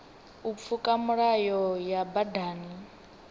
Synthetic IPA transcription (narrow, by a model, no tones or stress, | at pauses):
up̪fʰukʼamuɺajɔjabadaːni